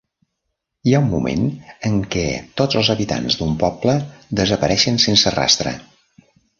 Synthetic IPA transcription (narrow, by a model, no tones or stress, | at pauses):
iaumːṵmḛnəŋkɛt̪ozəlˠzəβit̪a̰nzd̪umpɔbləd̪əzəpəɾɛʃənsensəra̰st̪ɾə̰